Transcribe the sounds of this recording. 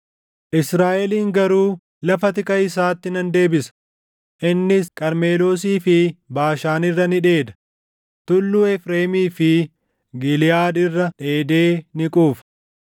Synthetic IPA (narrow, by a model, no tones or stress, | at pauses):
ʔɪsɾaːʔɛliːŋɡɐɾuː | lɐfɐt̪ɪkʼɐɪs̬aːt̪ːɪnɐnd̪e̞ːbɪsɐ̥ | ʔɪnːɪskʼɐɾme̞ːlo̞ːs̬iːfɪbaːʃaːnɪrːɐnɪᶑe̞ːd̪ɐ̥ | t̪ʊlːuːɛfɾe̞ːmiːfɪ | ɡɪlɪjaːd̪ɪrːɐᶑe̞ːd̪eːnɪkʼuːf